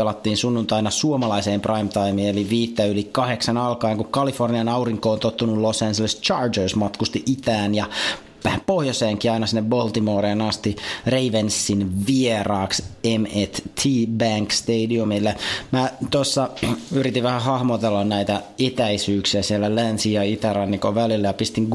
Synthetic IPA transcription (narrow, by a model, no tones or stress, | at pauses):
elɑt̪ːiːnsunːunt̪ɑinɑsuomɑlɑiseːmprɑimt̪ɑimiːeliʋiːt̪ːæylikɑheksɑnɑlkɑːŋkukɑliforniɑnɑuriŋkoːnt̪ot̪ːunulosænselist͡ʃɑːrd͡ʒørsmɑt̪kust̪iʔit̪æːnjɑ | pohjoseːŋkiɑinɑsinːebbolt̪imoːɾeːnɑst̪ireiʋensːinʋierɑːksemet̪t̪ʰiːbæŋkst̪eidiumilːemæt̪osːɑyɾit̪iʋʋæhæhɑhmot̪elːɑnnæit̪æ | et̪æisyːksiæsielːælænsijɑit̪æɾɑnːikoʋælilːæjɑpist̪iŋɡ